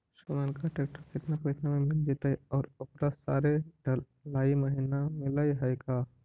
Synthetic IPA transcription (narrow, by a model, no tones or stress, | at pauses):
ʃəmənkaʈeːkʈəɾkɪt̪napɐːt͡ʃamẽmɪld͡ʒet̪aɦɛɔːɾʊpɾasa̰ːɾeɖə | laːiməɦinamɪlaiɦɐjkaː